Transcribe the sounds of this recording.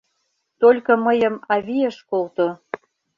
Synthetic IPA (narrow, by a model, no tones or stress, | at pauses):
t̪olʲkɤ̆məjə̆mɑβieʃkolt̪o